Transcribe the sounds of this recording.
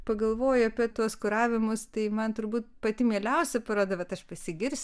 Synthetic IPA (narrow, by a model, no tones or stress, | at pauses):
pɐɡɐlˠʋoːjʊɐpʲiɛt̪uɔskʊɾɑːʋʲɪmʊst̪ɐɪmɐnt̪ʊɾbuːt̪̚pɐt̪ʲɪmʲeːlʲɛʊsʲɛpɐɾoːd̪ɐʋɐt̪ɐʃpɐsʲɪɡʲɪɾʲsʲ